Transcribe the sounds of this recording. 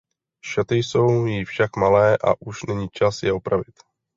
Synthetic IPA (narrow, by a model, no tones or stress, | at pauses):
ʃat̪ɪjso̞wjɪfʃakmalɛːʔa̰ʔuʃnɛɲiːt͡ʃasjɛopɾavɪt̪